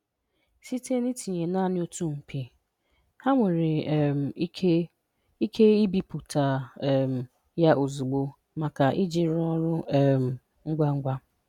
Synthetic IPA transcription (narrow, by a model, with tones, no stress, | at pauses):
si˦te˦ni˦ti˨ɲe˨na˦˨nɪ˦o˦tu˦ŋ͡m̩˨pʰi˨ | ha˦ŋʷe˨ɾe˨m̩ʰ˨˦e˦ | i˦kʰe˦i˦bi˨pu˨tʰa˨m̩˨ | ja˦ʔo˨zu˨ɡ͡bo˦ | ma˨ka˨ʔi˦d͡ʒɪ˨ɾɔ˦ɾʊ˦˨m̩˨ | ŋ̩˦ɡ͡bʷa˦ŋ̩˦ɡ͡bʷa˦